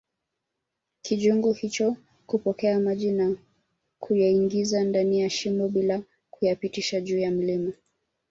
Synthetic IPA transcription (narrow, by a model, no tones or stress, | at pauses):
kʰiʄuŋɡuhit͡ʃɔ | kupɔkɛamaʄina | kʰujaiŋɡizandanijaʃimbɔɓila | kujapitiʃaʄuːjam̩lima